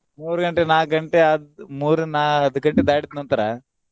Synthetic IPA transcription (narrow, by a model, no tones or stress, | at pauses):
muːɾɡɐɳʈenaːɡɐɳʈeɐd̪muːɾnaːɦɐd̪uɡɐɳʈed̪aːɽit̪nɐnt̪ɐɾa